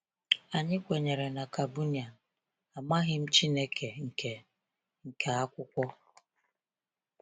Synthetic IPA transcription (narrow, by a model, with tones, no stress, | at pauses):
a˨ɲɪ˦kʷe˨ɲe˨ɾe˨na˨ka˨bu˦ni˨a˨ | a˨ma˦ɣɪ˦m̩˦t͡ʃi˦ne˦ke˨ŋ̩˨ke˨ | ŋ̩˨ke˨a˦kʷʊ˦kʷɔ˦